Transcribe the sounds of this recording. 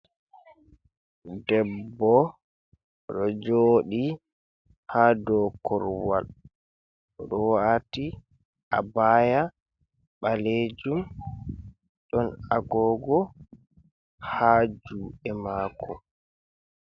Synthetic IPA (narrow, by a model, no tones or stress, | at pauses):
dɛbːɔ | ɗɔd͡ʒoːɗi | haːdɔːkɔɾwa̰l | ɗɔwaːti | ʔa̰baːja | ɓaled͡ʒum | ɗɔnaɡɔːɡɔ | haːd͡ʒuːɛmaːkʰɔ